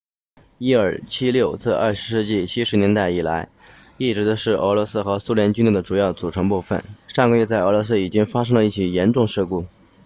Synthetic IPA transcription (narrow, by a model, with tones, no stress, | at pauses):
i˥ə˞˨˩t͡ɕʰi˥ljo˥˧ʊt͡sɹ̩˥˧ʔɐ̰˥˧˩ʂɻ̩˧˥ʂɻ̩˥˧t͡ɕi˥˩t͡ɕʰi˥ʂɻ̩˧˥njɛ˧˥nt̪a˥˩ɪi˨˩la˧˥ɪ | i˥˩ʈ͡ʂɻ̩˧˥d̪ə˧ʂɻ̩˥˩ʔə̰˧˥lwɔ˧˥sɹ̩˥xɤ˧˥su˥ljɛ˧˥nt͡ɕy˥ni˥˩d̪ə˩ʈ͡ʂu˨˩jɑ˥˩ʊt͡su˨˩ʈ͡ʂʰɤ˧˥ŋpu˥˧fə̰˨˩˦nʂɑ˥˩˧ŋɡə˩˧ɥɛ˥˧t͡sa˥˩ɪə˧˥lwɔ˧˥s̬ɹ̩˥i˨˩t͡ɕi˥ŋfa˥ʂ̬ɤ˥ŋlə˧i˥˩t͡ɕʰi˨˩jɛ˧˥nʈ͡ʂʊ˥˧ŋʂ̩˥˧ku˥˩